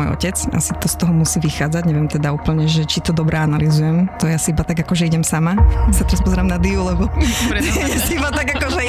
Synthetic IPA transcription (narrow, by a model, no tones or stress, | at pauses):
ɔ̰jɔ̰cɛt͡sa̰sit̪ɔst̪ɔɦɔmusiːʋixaːd͡zaɟɲɛʋɪɛmt̪ɛd̪auːpl̩ɲɛʒɛt͡ʃit̪ɔd̪ɔbɾɛanalizujɛmt̪ɔjasiibat̪aɡakɔʒɛiɟɛmsamasat̪ɛɾaspɔzɛɾaːmnad̪iulɛbɔ | jasiibat̪aɡakɔʒɛ